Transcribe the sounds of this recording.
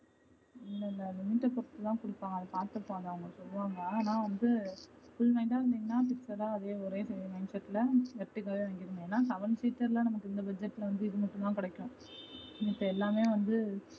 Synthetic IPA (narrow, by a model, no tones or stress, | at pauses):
ɪnːɐɪnːɐlɪmɪʈːɐpɔɾɐt̪ːɯt̪ãːkʊɽɪpːaːŋɡɐðɐpaːɾt̪ɯpːoːɐŋɐɐŋɐɯsɔlːɯʋaːŋɡɐaːnaːʋɐnd̪ɯfʊlmɐɪɳʈaːɪɾɯnd̪iːŋɡɐnaːfɪksɐɾaːɐðeːɔɾeːsɛjɐmɐɪnsɛʈːɪlɐʋɛʈːɯkːaːʋeʋɐŋɡɪɾɯŋɐeːnːaːsɐʋɐnsiːʈːɐɾlɐ̃nɐmɐkːɯɪnd̪ɐbɐd͡ʒɛʈːɪlɐʋɐnd̪ɯɪðɯmɐʈːʊ̃t̪ãːkɪɽɛkːɐɽʊ̃ | ɪpːɐɛlːaːmeːʋɐnd̪ɯ